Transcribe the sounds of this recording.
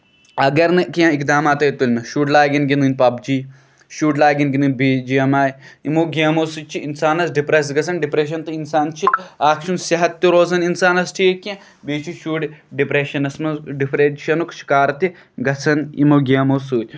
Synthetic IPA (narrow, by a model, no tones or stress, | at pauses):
ɐɡɐɾnɨkiãːikd̪aːmaːt̪ɐit̪ulmɐʃuːɖlaːɡinɡind̪ɨnʲpɐbd͡ʒiː | ʃuːɖlaːɡinɡinɨnʲbiːd͡ʒijɐmaːjimoːɡʲiɐmosut͡ʃʰiinsaːnɐsɖipɾes̬ɡɐsɐnɖipɾeːʃ̬ɐnt̪ɨinsaːnt͡ʃʰiaːkʃunsiɦɐt̪ːiɾoːzɐninsaːnɐsʈʰikːẽ | biːt͡ʃʰiʃuːɖɖipɾeːʃɐnɐsmɐɖipɾeʃɐnukʃi̥kaːɾt̪i | ɡɐt͡sʰɐnḭmoɡiɐmosuːt̪ʲ